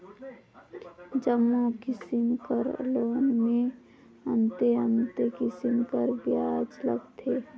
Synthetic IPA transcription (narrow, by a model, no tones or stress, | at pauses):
d͡ʒəmːokɪsɪmkəɾloːnmẽ | ənt̪eə̃nt̪ekɪsɪmkəɾbɪjaːd͡ʒləɡt̪ʰeː